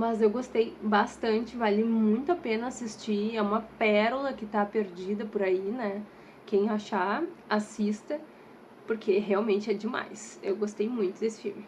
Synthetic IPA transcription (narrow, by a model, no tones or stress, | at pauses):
mɐzewɡost̪ejbast̪ɐ̃nt͡ʃɪvalɪmũj̃t̪ʊapẽnɐasist͡ʃiɛũmɐpɛɾʊlɐkɪt̪apeɾd͡ʒid̪ɐpoɾainɛ | kẽj̃aʃaasist̪ɐ | poɾkʰeɦeawmẽnt͡ʃɪɛd͡ʒɪma̰jsewɡost̪ejmũj̃t̪ʊd̪esɪ̥fiwmɪ